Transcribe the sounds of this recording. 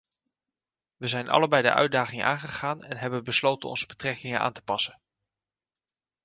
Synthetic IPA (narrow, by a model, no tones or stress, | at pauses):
ʋəzɛjnʔɑ̰ləbɛjdə̰ʔœ̰ɥdaːχɪŋəaːŋχəχaːnɛnɦɛbənbəslowtənɔ̰nzəbətrɛkɪŋəʔa̰ːntə̥pɑsən